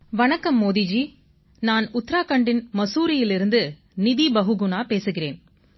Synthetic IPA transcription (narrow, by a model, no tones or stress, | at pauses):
ʋɐnɐkːɐmːoːðid͡ʒi | naːnʊt̪ːɾaːkɐɳɖɪnmɐsuːɾɪjɪlɪɾɯnd̪ɯ | nɪðibɐɦɯɡʊɳaːpeːsɯɣɪreːn